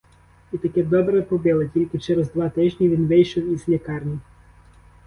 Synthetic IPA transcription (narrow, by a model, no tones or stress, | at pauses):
it̪ɐkɛd̪ɔbɾɛpɔbɪlˠetʲilʲkʲɪt͡ʃɛɾɛzd̪ʋɑt̪ɪʒʲnʲiʋʲinʋɪjʃɔwizlʲikɑrnʲi